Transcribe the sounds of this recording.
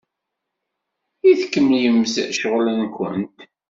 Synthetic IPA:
iθkːəmljəmːzə̰ʔʃəʁlənkʷə̰nt̪

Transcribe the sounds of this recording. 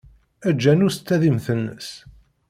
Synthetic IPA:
æd͡ʒːænʊɾst͡s̪ːæðimθənːə̰s

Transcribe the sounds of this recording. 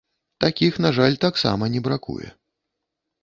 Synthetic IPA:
t̪akʲixnaʐalʲt̪aksa̰mɐnʲɛbɾakṵjɛ̰

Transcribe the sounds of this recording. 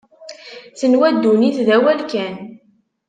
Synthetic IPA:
θənwæd̪ːuniθðæwælkæn

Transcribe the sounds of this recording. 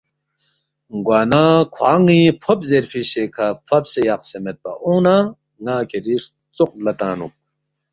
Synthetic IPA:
ɡwaːnakʰwaːŋipʰopzeɾfiɕekʰafɐpsejɐq̚semet̪̚pɐ̰ʔuːna | ŋaːkʰeɾiːʂ | t͡suq̚lɐt̪aːnum̚

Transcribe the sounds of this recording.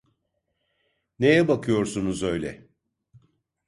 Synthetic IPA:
ne̞jɛbakʰɯjo̞ɾsunuzø̞jlʲɛ̰

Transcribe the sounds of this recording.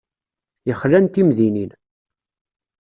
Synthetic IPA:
jəχɾænt̪imðinin

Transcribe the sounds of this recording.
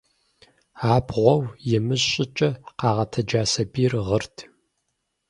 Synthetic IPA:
aːbʁʷɔwjɪmɨʑɕʼɪt͡ʃʼɐqɑːʁɐtʰɐd͡ʒaːsɐbiːrʁərtʰ

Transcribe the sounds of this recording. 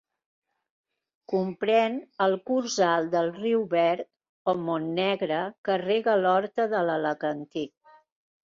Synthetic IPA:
kumpɾɛnəlˠkuɾzalˠd̪əlˠriwβɛɾt̪̚ | omonːɛɣɾəkəreɣəlɔɾt̪əðələləɣənt̪ik̚

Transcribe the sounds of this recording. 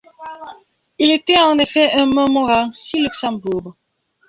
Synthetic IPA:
ilet̪ɛɑ̃nefɛʔɛ̃mɔ̃mɔʁɑ̃silyksɑ̃buʁ

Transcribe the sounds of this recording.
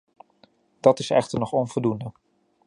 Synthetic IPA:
d̥ɑtɪsɛ̰χtəɹnɔχɔnvɔlˠdundə

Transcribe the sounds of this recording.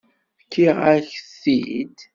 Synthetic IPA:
kːiʁaçsːid̪

